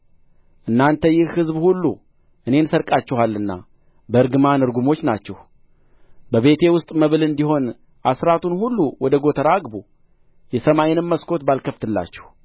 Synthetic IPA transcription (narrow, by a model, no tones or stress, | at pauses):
ʔɨnːant̪ʰəjɪhhɨzbhulːṵ | ʔɨne̞nsəɾkʼat͡ʃːɛɦalːɨnːa̰ | bəɨɾɡɨmanɨɾɡumo̞t͡ʃːnat͡ʃːɛh | bəβe̞t̪ʰe̞wʊst̪ʼməβɨlɨnd̪iɦo̞n | ʔasɾat̪ʰunhulːuwɔd̪əɡo̞t̪ʰəɾaɡbu | jɛsəmaenɨmməskʰo̞t̪balkʰəft̪ʰɨlːa̰t͡ʃːɛ̥h